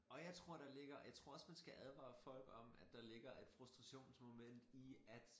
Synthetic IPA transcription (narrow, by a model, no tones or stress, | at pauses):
ɒ̽jɑ̈ɪt͡sʰʁo̝ɐ̰ɾ̥ɑ̈le̝ɡ̥ɐjɑ̈ɪt͡sʰʁo̝ɐ̰ɒ̽smænsɡ̥æʔæð̞ˠʋɑ̰̈fɒ̽l̰ɡ̥ɒ̽mæd̥ɑ̈le̝ɡ̥ɐe̝d̥fʁusd̥ʁɑ̈ɕo̝̰ːnsmo̝men̰d̥iæd̥